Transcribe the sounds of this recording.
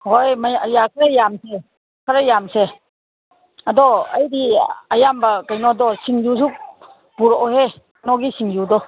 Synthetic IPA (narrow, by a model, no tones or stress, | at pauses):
hojmajakʰɾajamse | kʰaɾajamse | adɔɐ̰jdiɐjambakajnɔdɔsiŋjus̬uk̚ | buɾɔhe | nɔɡisiŋjudɔ